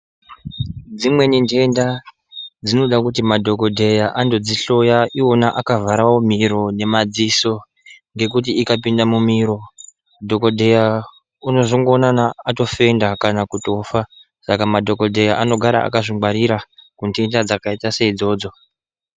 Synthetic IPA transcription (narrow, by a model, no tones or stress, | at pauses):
d͡zimwe̞nintʰe̞nda | d͡zino̞ɗakutimadʱo̞ko̞dʱe̞jaʔando̞d͡ziɬo̞jaʔionaʔakavaɾawo̞miɾo̞ne̞mad͡ziso̞ | ŋɡe̞kut̬iikapindamumiɾo̞ | dʱo̞ko̞dʱe̞ja | uno̞ʐoŋɡo̞ːnanaːto̞fe̞ndakanakuto̞fa | sakamadʱo̞ko̞dʱe̞jaʔano̞ɡʱaɾa̰a̰kaʐiŋwaɾiɾakunte̞ndad͡zakaitaseid͡zo̞ːd͡zo̞